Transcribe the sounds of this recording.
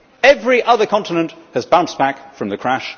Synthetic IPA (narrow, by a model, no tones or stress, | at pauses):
ɛvɹiʔʌðə˞kʰɑ̃ntənə̃nʔhɨzbãʊ̃nsb̥ækfɹʌ̃mðɨkʰɹ̥æʃ